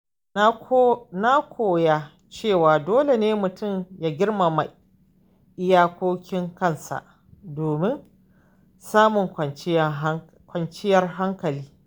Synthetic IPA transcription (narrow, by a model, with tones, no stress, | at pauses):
na˦kʷʰoː˨ja˦ | t͡ʃeː˦˨waː˨doː˦le˨neː˦mʊ˨tʰʊ˦˨mjaː˦ɡʲɪ˦rma˨ma˨j | ʔɪ˦jaː˦kʷoː˦kʲɪ˦ŋkɐ˦˨nsa̰˨ʔ | doː˨mɪ˦n | saː˦mʊ˨ŋkɐ˨˦ | kʷɐ˨nt͡ʃɪ˦jɐ˦rɦa˦ŋkɐ˨liː˦